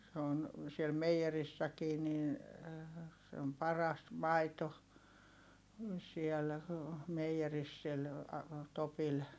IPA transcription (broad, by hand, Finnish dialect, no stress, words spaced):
se on siel meij̆erisːækiː nin̞ se om pɑrɑs mɑito siɛl meij̆eris sil topil